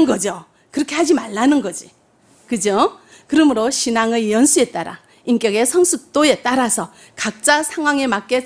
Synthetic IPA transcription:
nɡʌd͡ʑo | kɯɾʌkʰe̞had͡ʑimaɭːanɯnɡʌd͡ʑi | kɯd͡ʑo | kɯɾʌmɯɾoɕʰinaŋejʌnsʰue̞t͈aɾa̰ | ink͈jʌɡe̞sʰʌŋsʰuk̚t͈oe̞t͈aɾasʰʌ | kak̚t͡ɕ͈asʰaŋɦwaŋe̞mak̚k͈e̞

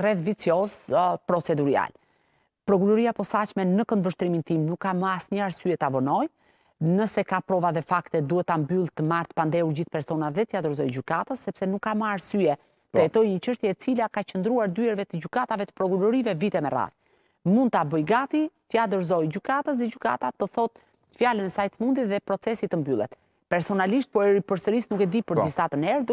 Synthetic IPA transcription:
rɛθvit͡sjɔspɾɔt͡sɛd̪uɾia̰l | pɾɔk̬uɾɔɾiapɔsat͡ʃmɛnəkənd̪vəʃt̪ɾimint̪imnukːaməasɲəaɾsyɛt̪avɔnɔj | nəsɛkapɾɔvaðɛfakt̪ɛd̪uhɛt̪ːambylˠt̪əmaɾt̪ə̥pand̪ɛuɾd͡ʑiθpɛɾsɔnaðɛt̪əjad̪əɾzɔjɟykat̪əsːɛpsɛnukːaməaɾsyɛ | t̪əɛt̪ɔjɲət͡ʃəʃt̪jɛɛt͡silakat͡ʃənd̪ɾuaɾd̪yɛɾvɛt̪əɟykat̪avɛt̪ə̥pɾɔkuɾɔɾivɛvit̪ɛmɛra̰θ | mund̪̚t̪abəjɡat̪it̪jad̪əɾzɔjɟykat̪əs̬ðɛɟyka̰t̪at̪əθɔt̪̚ | fjalənɛsajt̪ə̥fund̪it̪ðɛpɾɔt͡sɛsit̪əmbylˠɛ̰t̪ | pɛɾsɔnaliʃt̪̚pɔɛɾipəɾsəɾisnukɛd̪ipəɾd̪istat̪ənɛɾdə

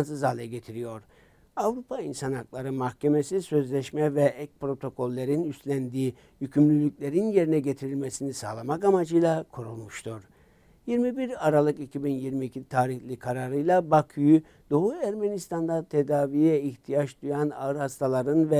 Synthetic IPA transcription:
nsɯzalʲˠɛɟe̞t̪ʰiɾijo̞ɾ | avɾupʰainsanhaklˠaɾɯmahcʰe̞me̞sisø̞zlʲɛʃmɛvɛʔɛc̚pɾo̞t̪ʰo̞kʰo̞lʲːeɾinyst̪lʲænd̪iː | jycʰymlʲylʲycʲlʲe̞ɾinje̞ɾinɛɟe̞t̪ʰiɾilʲmesinisaːlˠamakamad͡ʒɯjlˠakʰuɾulˠmuʃt̪ʰuɾ̥ | jiɾmibiɾaɾalˠɯkicʰibinjiɾmiːcʰit̪ʰaːɾiçlʲikʰaɾaɾɯjlˠabakʰujy | d̪̥o̞ɦuæɾmenist̪ʰand̪at̪ʰe̞d̪aːvijɛiçt̪ʰijat͡ʃd̪ujana̰ɯɾhast̪ʰalˠaɾɯnvɛ

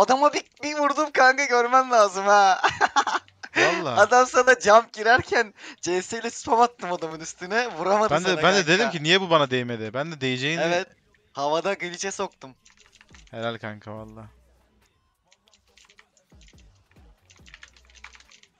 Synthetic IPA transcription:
ad̪amabibivuɾd̪umkʰaŋɡɯɟø̞ɾmæmlʲaːzɯmhɛ | alˠːaːad̪amsad̪ad͡ʒamp̚ɟiɾæɾcʰænd͡ʒejsijlʲɛsɯ̥pʰamat̪ːɯmad̪amɯnist̪ʰinɛvuɾamad̪bænɛbænd̪ɛd̪ed̪imcinijɛbubanad̪ejme̞d̪ɪbænd̪ɛd̪ejed͡ʒejinevɛt̪ | havad̪aɡɯlʲit͡ʃʰɛso̞k̚t̪um | heɾalʲkʰaŋkʰavalˠːaː

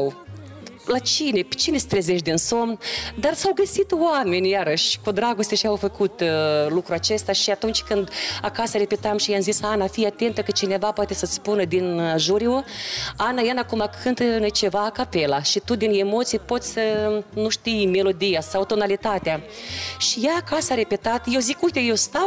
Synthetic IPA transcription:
w | lat͡ʃine̞pt͡ʃinest̪ɾezeʃtd̪inso̞md̪arsawɡəsit̪oame̞nʲjaɾəʃʲkud̪ɾaɡo̞st̪ʲeʃiawfəkut̪lukɾuat͡ʃe̞st̪aʃiat̪unt͡ʃʲkɨnd̪akasəɾe̞pet̪amʃijamzisanafijat̪e̞nt̪əkət͡ʃine̞vapoat̪e̞sət̪sʲpunəd̪inʒuɾioanajanakumakʰɨnt̪net͡ʃe̞vaːkape̞laʃit̪ud̪inemo̞t̪sijpo̞t̪sʲsənuʃt̪ijme̞lo̞d̪ijasawt̪o̞nalit̪at̪ea | ʃijaːkasaɾe̞pe̞t̪at̪jewzikujt̪ejewst̪aw

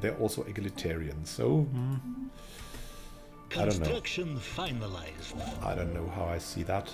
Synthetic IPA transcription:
ðə˞ʔɔlˠsoʊʔɪɡɪlɨtʰɛɹiɨ̰̃nz̥so̰ʊ | kʰənõʊsnɹʊʌkʃə̃nfaɪnəlaɪzdaɪdõʊ̃nːoʊɦaʊaɪsḭðət

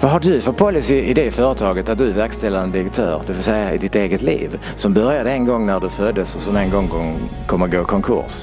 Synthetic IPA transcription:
vaɦaɖɵfɔt̪̚pʰɔlːɪsɪʔɪd̪ɛfœːɾət̪ʰɑːɡət̪at̪̚d̪ɵævæɾkst̪ɛlːanəd̪ɪɾək̚t̪ʰœ̰ːɾd̪ɛfɔsɛjːaɪ̰d̪ɪt̪eːɡət̪lḭːv | sɔmbœɾjad̪əɛnɡɔŋːnæɖɵfœd̪ːəsɔsɔmɛnɡɔŋːkɔ | kʰɔmːəɡoːkʰɔŋkʰʊ̰ɾʂ

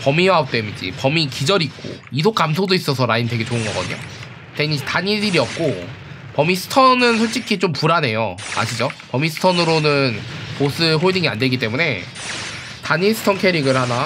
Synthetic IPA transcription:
pʌmiwaop̚t͈emid͡ʑḭpʌmikid͡ʑʌɾik͈o̰is̬ʰok͈amsʰodois͈ʌsʰʌɾainte̞ɡe̞t͡ɕoɯnɡʌɡʌdɯɲo̰ | teɲitaɲidiɾiʌp̚k͈o | pʌmisʰɯ̥tʰʌnɯnsʰoɭt͡ɕ͈ikʰit͡ɕompuɾane̞joa̰ɕʰid͡ʑopʌmisʰɯ̥tʰʌnɯɾonɯnpos͈ʰɯɦoɭdiŋia̰nde̞ɡit͈e̞mune̞ | taɲisʰɯ̥tʰʌnkʰe̞ɾiɡɯɭhana

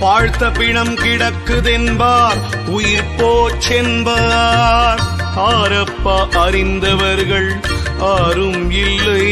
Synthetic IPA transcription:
paːɻt̪ːɐpɪɳɐmkɪɽɐkːɯðɛnbaːɾ | ʊjɪɾpoːt͡ʃɛnbɐ | ɾ | aːɾɐpːɐʔɐɾɪnd̪ɐʋɐɾɣɐɭ | aːɾɯmɪlːɯ

